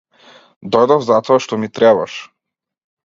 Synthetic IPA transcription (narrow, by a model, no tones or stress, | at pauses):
d̪ɔjd̪ɔvzat̪ɔaʃt̪ɔmit̪ɾɛβaʃ